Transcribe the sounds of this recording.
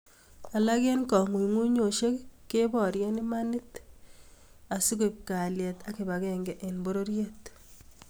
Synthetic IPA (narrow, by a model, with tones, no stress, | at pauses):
a˨la˦kɛ˦nkɔ˨ŋu˨jŋwu˦ɲo˨ʃe˦kkːe˦bɔ˨ɾjɛ˦ni˦ma˦nɪ˦t | a˨si˦ko˦˨p̚ka˨ljɛ˨ta˦ki˨ba˨kɛŋɡɛʔe˨nbo˦ɾo˦ɾje˦t